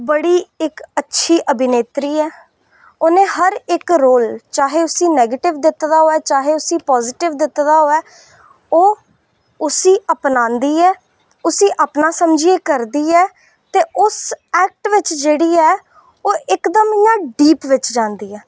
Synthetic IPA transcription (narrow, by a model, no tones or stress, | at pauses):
bəɽiːɪkətːʃʰiːʔəbɪneːt̪ɾiːɛː | oːnẽːhəɾɪkɾoːlt͡ʃaːɦeːʊsiːnɛːɡeːʈɪʋd̪ɪt̪d̪aːɦoːɛːt͡ʃaːɦeːʊsiːpɔːzɪʈɪʋd̪ɪt̪d̪aːɦoːɛː | oː | ʊsiːʔəpnãːnd̪iːɛː | ʊsiːʔəpnaːsəmd͡ʒieːkəɾd̪iːɛː | t̪eːʔʊsɛːk̚ʈʋɪt͡ʃd͡ʒeːɽiːɛː | oːɪkd̪əmjãːɖiːpʋɪt͡ʃd͡ʒãːnd̪iːɛː